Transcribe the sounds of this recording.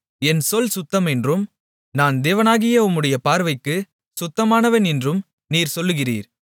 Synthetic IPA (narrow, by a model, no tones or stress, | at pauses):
ɛnsɔlsʊt̪ːɐmɛndrɯm | naːnd̪eːʋɐnaːɣɪjɐʊmːɯɽɐjɐpaːɾʋɐɪkːɯ | sʊt̪ːɐmaːnɐʋɐnɛndrɯm | niːɾsɔlːɯɣɪrḭːɾ